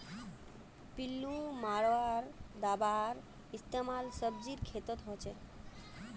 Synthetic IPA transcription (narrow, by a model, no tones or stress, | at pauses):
pilːumaɾoaɾd̪abaɾ | ist̪emalsəb̚d͡ʑiɾkʰet̪ot̪ɦot͡ɕʰe